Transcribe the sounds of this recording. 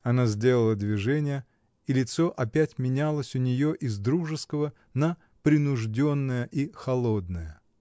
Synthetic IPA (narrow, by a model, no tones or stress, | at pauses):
ɐnazʲdʲe̞lˠəlˠəd̪vʲɪʐɛnʲɪjə | ilʲɪt̪soʔɐpʲætʲmʲɪnʲalˠəsʲʊnʲɪjo̞ʔɪzd̪ɾuʐɨskəvə | nə | pɾʲɪnʊʐdʲo̞nːəjəʔixɐlˠo̞d̪nəjə